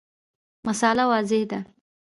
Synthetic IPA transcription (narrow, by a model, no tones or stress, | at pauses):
masɑlawɑzɪhd̪a